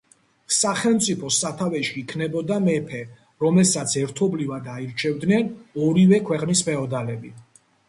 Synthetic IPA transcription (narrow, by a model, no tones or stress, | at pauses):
saχɛlˠmt̪sʼipʰɔsat̪ʰavɛʃiːkʰnɛbɔd̪amɛpʰɛ | ɾɔmɛlsat̪sʰɛɾt̪ʰɔblivad̪aiɾt͡ʃʰɛvd̪nɛnɔɾivɛkʰwɛqʼnispʰɛɔd̪alɛbi